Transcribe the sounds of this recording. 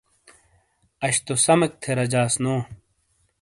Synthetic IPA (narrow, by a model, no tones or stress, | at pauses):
ɐɕt̪osɐmɐk̚t̪ʰeɾɐd͡ʑaːsnoː